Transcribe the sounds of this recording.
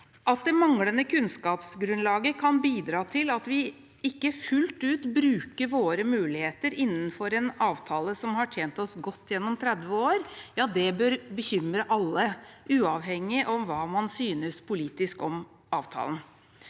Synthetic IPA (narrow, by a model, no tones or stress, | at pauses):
ʔɑt̪̚d̪ɛmɑŋlənəkʰʉnskɑːpsɡɾʉnlɑːɡəkʰɑnbiːd̪ɾɑːt̪ʰɪlɑt̪ʋɪ | ɪkːəfʉlt̪ʉːt̪bɾʉːkəɾʋoːɾəmʉːlɪheːt̪əɾɪnːənfɔɾɛnɑːʋt̪ʰɑːləsɔmhɑʈʰjeːnt̪ɔsɡɔt̪ːjɛnːɔmt̪ʰɾɛd̪ʋəoːɾjɑːd̪ɛbøːɾbəçʏmɾəʔɑlːəʔʉːɑːʋhɛŋːɪʔɔmʋɑːmɑnsyːnəspʰʊliːt̪ɪskɔm | ɑːʋt̪ʰɑ̰ːln